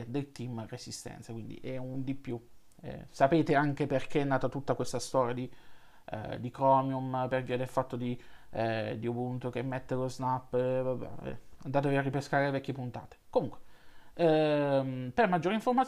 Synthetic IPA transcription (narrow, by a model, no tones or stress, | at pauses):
d̪elt̪imresist̪ɛ̰nt̪sakwind̪ḭʔɛund̪ipːju | ɛ̰sapeːt̪eaŋk̟eperkeɛnːaːt̪at̪ut̪ːakwest̪ast̪ɔːɾjad̪ḭ | d̪ikɾɔːmjumperviad̪elfat̪ːod̪i | d̪iobunt̪ok̟emːet̪ːeloznapːvabɛ̰ɛ̰and̪aːt̪eviarːipeskaːɾelevɛkʲːjepunt̪a̰ːt̪e̥komuŋkwe̥ | mpermad͡ʒːoːɾeiɱformat̪